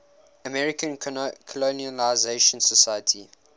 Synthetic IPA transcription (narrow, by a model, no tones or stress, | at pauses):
əmɛɹikə̃nkʰɔlonialaɪzeʃə̃nsəsajətʰḭ